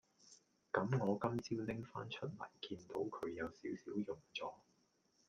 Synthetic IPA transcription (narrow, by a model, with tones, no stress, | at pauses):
kɐ˨˥mŋɔː˨˧kɐ˥mt͡siː˥wlɪ˥ŋfa̰ː˥nt͡ʃʰɵ˥t̚lɐ̰˨˩jkiː˧nt̪o˨˥wkʰɵ˨˧ɥjɐ˨˧wsiː˨˥wsiː˨˥wjʊ˨ŋt͡sɔː˨˥